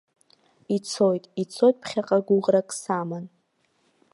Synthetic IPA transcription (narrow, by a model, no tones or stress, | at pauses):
it͡sʰo̞jtʼit͡sʰojt̚ʼpʰχʲaqʼaɡʷʊʁrakʼsaman